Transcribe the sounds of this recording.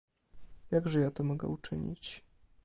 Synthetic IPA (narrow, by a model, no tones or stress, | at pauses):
jaɡʐɛjat̪ɔmɔɡɛ̰ut͡ʂɘɲḭt͡ɕ